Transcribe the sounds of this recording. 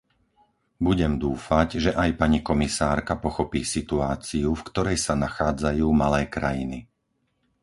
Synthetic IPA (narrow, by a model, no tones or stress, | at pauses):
buɟɛmd̪uːfaɟʒɛʔajpaɲikɔmisaːɾkapɔxɔpiːsit̪uaːt͡siufkt̪ɔɾɛjsanaxaːd͡zajuːmalɛːkɾajini